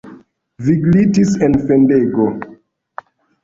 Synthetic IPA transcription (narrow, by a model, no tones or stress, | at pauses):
viɡlitisenfendeɡo